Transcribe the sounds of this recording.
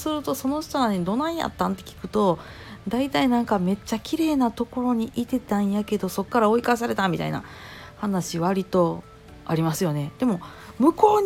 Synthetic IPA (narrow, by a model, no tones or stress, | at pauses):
sɨɾɯ̟t̪o̞so̞no̞ɕt̪oɾane̞d̪o̞ːnãɰ̃ja̰t̪ːãnt̪ːe̞̥kʲi̥kɯ̟̥t̪o̞ | d̪ait̪ainãŋkame̞t͡ɕːakʲiɾe̞ːnat̪o̞ko̞ɾo̞ɲ̟iʔit̪e̞t̪ãɰ̃jake̞d̪o̞so̞kːaɾao̞ikas̬aɾe̞t̪ãmːʲit̪a̰ḭna̰ | hanaɕiβaɾʲit̪o̞ | aɾʲimasɨjo̞ne̞d̪̥e̞mo̞ | mɯ̟ko̞ː